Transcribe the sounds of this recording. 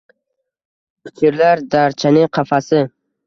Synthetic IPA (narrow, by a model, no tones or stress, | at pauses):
pʰɪ̥kʲʰɪɾlaɾd̪aɾt͡ʃʰanɪŋqʰɑfasɪ